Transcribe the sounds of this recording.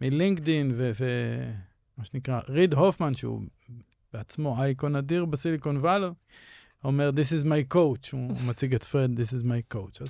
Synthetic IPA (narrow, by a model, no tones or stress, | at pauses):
miliŋkdinveve | maʃenikʁaʁidɦofmanʃeṵ | b̥eat͡smo̞ajkonadiʁbasilikonvalo | omeʁd̪isizmajkowt͡ʃumat͡siɡetfʁed̪d̪isizmajkowt͡ʃaz